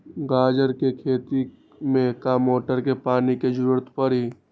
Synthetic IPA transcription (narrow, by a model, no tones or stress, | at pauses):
ɡaːd͡ʒəɾkekʰeːt̪i | mẽkaːmoːʈəɾkepaːniked͡ʒəɾuːɾət̪pəɾɦiː